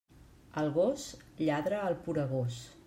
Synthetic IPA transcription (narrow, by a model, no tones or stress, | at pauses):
əlˠɣos | ʎaðɾəːlˠpuɾəɣ̞os